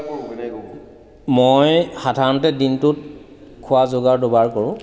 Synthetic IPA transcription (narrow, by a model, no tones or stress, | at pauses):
mojxadʱaɹɔnɔtɛdintʊt̚ | kʰʊwazoɡaɹdobaɹkoɹʊ̃